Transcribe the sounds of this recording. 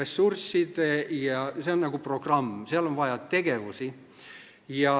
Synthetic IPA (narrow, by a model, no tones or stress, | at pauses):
esːursːid̪̥jɑseonnɑɡ̥upro̞ɡ̥rɑmːseɑlonvɑjɑt̪ːe̞ɡ̥e̞vusi | jɑ